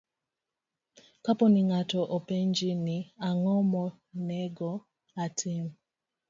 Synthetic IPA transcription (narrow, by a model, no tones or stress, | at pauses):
kapɔniŋatɔʔɔpɛɲd͡ʒiniaŋɔmɔ | nɛɡɔ | atʰim